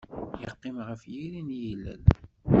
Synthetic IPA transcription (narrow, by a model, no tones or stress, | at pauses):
jəqːɪmʁəfjiɾinjilːə̰l